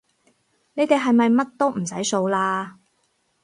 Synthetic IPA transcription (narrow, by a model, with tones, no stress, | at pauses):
ne˨˧jt̪e˨jɦɐ˨jmɐ˨jmɐ˥t̚t̪o˥wm̩˨˩sɐ˨˥jso˧wlaː˧